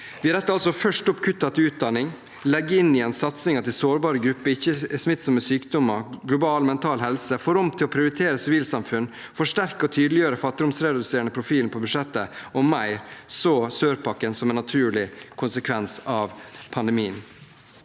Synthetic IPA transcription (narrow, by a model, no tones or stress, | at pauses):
ʋɪɾɛt̪ːəɾɑlsɔfœʂʈɔpkʰʉt̪ːɑt̪ɪʉːt̪̚d̪ɑnɪŋ | lɛɡːəɪnːɪɛnsɑt̪sɪŋɑt̪ɪsoːɾbɑːɾəɡɾʉpːəɪçːəsmɪt̪ːsəməsyːkd̪ɔmːəɡlʊbɑːlmɛnt̪ʰɑːlɦɛlsəfɔɾɔmt̪ʰɪlɔpʰɾɪʊɾɪt̪ʰeːɾəsɪʋiːlsɑmfʉnː | fɔʂʈæɾkəɔt̪ʰyːd̪əlɪjøːɾəfɑt̪ːɪd̪ʊmsɾɛdd̪ʉseːɾəɳəpʰɾʊfiːln̩pʰɔbʉd̪ʂɛt̪ːəɔmæɪɾsoːsøːɾpʰɑkːənsɔmɛnːɑt̪ʰʉːɭɪkʰʊnsəkʰʋɛnsɑʋpʰɑnd̪ɛmiːən